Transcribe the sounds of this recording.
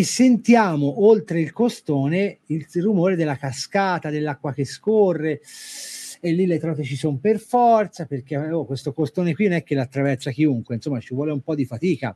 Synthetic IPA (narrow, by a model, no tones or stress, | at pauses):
esːent̪jaːmoʔolt̪ɾeilkost̪oːneilrumoːɾed̪elːakaskaːt̪ad̪elːakːwak̟eskorːe | elːilːet̪ɾɔːt̪et͡ʃisomperfɔrt̪saperk̟eokwest̪okost̪oːnekwinonɛkːelːat̪ːɾavɛrsak̟iuŋkweinsomːat͡ʃivwɔːleumpɔd̪ːifat̪iːka